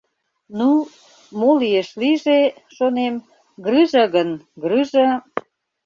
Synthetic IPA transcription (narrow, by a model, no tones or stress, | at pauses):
nu | molijeʃliʒeʃonem | ɡrɨʒəɣənɡrɯʒə̆